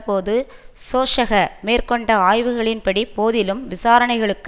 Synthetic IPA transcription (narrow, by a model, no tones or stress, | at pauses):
poːðɯ | soːʂɐɣɐmeːrkɔɳɖɐaːjʋɯɣɐɭɪnpɐɽipoːðɪlɯmʋɪsaːɾɐnɐɪɣɐɭɯkː